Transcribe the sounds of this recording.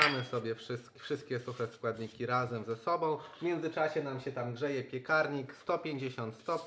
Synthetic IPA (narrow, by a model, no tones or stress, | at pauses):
amɘsɔbʲjɛfʂɘst̪kʲfʂɘst̪̚kʲɛsuxɛskwad̪ɲikʲiɾazɛmzɛsɔbɔ̃w̃mʲjɛndzɘt͡ʂaɕɛnamɕɛt̪amɡʐɛjɛpʲjɛkaɾɲikst̪ɔpʲjeɲd͡ʑeɕɔnt̪st̪ɔp